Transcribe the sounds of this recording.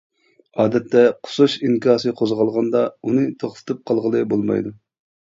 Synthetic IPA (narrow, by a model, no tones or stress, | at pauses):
ɑːd̪ɛt̪ʰːɛqʰʊ̥suʃiŋkʰɑːsɨqʰozʁɑlˠʁɑnd̪ɑunɨt̪ʰoχfɨ̥t̪ʰɨp̚qʰɑlˠʁəlˠɨbolˠmɑ̰jd̪u